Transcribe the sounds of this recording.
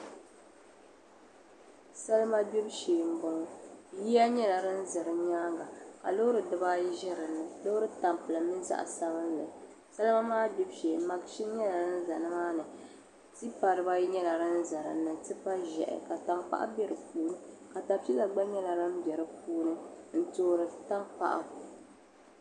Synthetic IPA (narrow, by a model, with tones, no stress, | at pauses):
sa˦lɨ˦ma˦bɛ˦bʃeː˨m̩˦bɔ˦ŋ˦ji˦a˦ɲɛ˦la˨ɾɨ˦n̩˦zɨ˨ɾɨ˨ɲaː˦ŋɡa˨ka̰˨lo˦ʊ˦ɾɨ˨dɨ˨ba˦ʒɪ˦ɾɨ˨nːɨ˨lo˦ɾɨ˦ta˨mpɨ˨lɨ˨mɨ˦za̰˦ʔsa˦βɨ˦n˦lɨ˨ | sa˦lma˦maː˦bi˦bʃeː˨˦ma˨ɡʃi˦ɲɛ˦la˨ɾɨ˦n̩˦za˨nɨ˦maː˦nɨ˨ | tɨ˦pa˨ɾɨ˨ba˦ɲɛ˦la˨ɾɨ˦n̩˦za˨ɾɨ̰˨nːɨ˨tɨ˦pa˦ʒɛ̰˨ʔɪ̰˨ka˨ta˨ŋpa̰˦ʔa̰˦bʲɛ˦ɾɨ˨puː˦nɨ˦ka˨ta˨pi˦la˨ɡ͡ba˦ɲɛ˦la˨ɾɨ˦m˦bʲɛ˨ɾɨ˦puː˦nɨ˦n̩˦to˦ɾɨ˨ta˦ŋpa̰˦ʔa̰˨